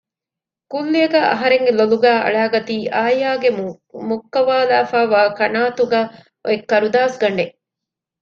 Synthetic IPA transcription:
kulːijɐɡæːʔɐ̰ɦɐɾeŋɡeloluɡæːʔɐ̰ɭaːɡɐt̪iːʔaːjaːɡe | mukːɐʋaːlaːfaːʋaːkɐnaːt̪uɡæː | ʔo̰ekːɐɾud̪aːsɡɐɳɖe

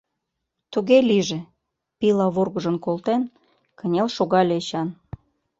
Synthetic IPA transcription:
t̪uɣelʲiʒĕ | pilɑβorɣə̆ʒə̆nkolt̪en | kə̆nʲelʃoɣɑlʲeeɕɑn

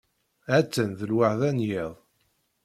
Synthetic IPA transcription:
æt͡sːənðəlwaʕðænjiðˤ

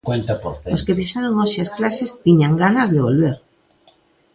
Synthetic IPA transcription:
kwẽnt̪apoɾθoskepiʃaɾoŋoʃiasklasest̪iɲaŋɡanazðeβ̞o̰lβeɾ

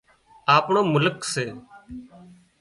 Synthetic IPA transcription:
aːpɳõːmʊləkseː

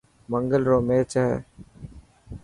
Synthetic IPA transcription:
məŋɡəlɾoːmeːt͡ʃɛɦɛ̰

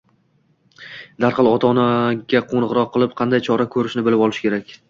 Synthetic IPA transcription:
d̪̥aɾqɨlˠɒt̪ʰɒnaɡʲaqʰonɨʁɾɒqʰːɨlˠɪp̚qʰɑnd̪ajt͡ʃʰɒɾakʰɵɾɪʃnɪbɪlɪpɒlˠɪʃkʲʰe̞ɾakʲ

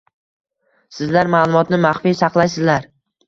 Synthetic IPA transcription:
sɪzlaɾmaːlˠʊmɒt̪nɪmaχfijsɑqlˠajsɪzlaɾ

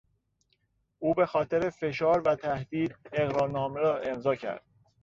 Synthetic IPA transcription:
ʔuːbe̞xɒːt̪ʰe̞ɾe̞fe̞ʃɒːɾvæt̪ʰæhd̪̥iːd̪e̞ɣɾɒːɾnɒːmeɾɒːʔe̞mzɒːcʰæ̰ɾd̪̥̚

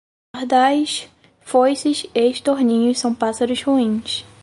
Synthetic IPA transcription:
hd̪ajʃ | fojsɪʃeʃt̪oɾnĩɲʊssɐ̃w̃pasaɾʊʃhuĩs

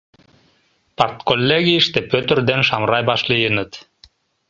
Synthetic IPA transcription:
part̪kolʲːeɡʲiiʃt̪epøt̪ʏ̆ɾd̪enʃɑmɾɑjbɑʃlˠɯjɯnɯt̪

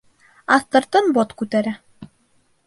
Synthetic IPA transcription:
ɑθt̪ɤ̆ɾt̪ɤnbot̪kʉt̪æɾæ

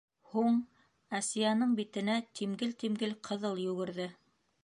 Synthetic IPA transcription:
huɴ | æsijɑnɤɴbit̪ɘ̆næt̪ʰimɡɘlt̪imɡɘlqʰɤ̆ðɤlˠjɵ̆ɡɘ̆ɾðɘ

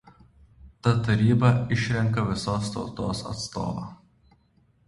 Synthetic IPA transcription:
t̪ɐt̪ɐɾʲiːbɐɪʃʲɾʲɛŋkɐʋʲɪsoːst̪ɒ̰ʊt̪o̰ːsɐ̰t̪st̪o̰ːʋɐ̰ː

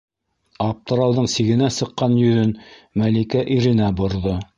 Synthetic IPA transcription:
ɑp̚t̪ɤ̆ɾɑw̪ˠðɤɴsiɡɘ̆næsɤ̆qːɑnjɵ̆ðɵnmælikæʔiɾɘ̆næbŏɾðo

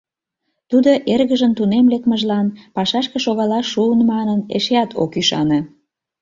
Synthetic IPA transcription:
t̪ud̪oʔerɣəʒənt̪unemlekməʒlɑnpɑʃɑʃkeʃoɣɑlɑʃuənmɑnənḛʃeɑt̪ʰo̰kyʃɑne

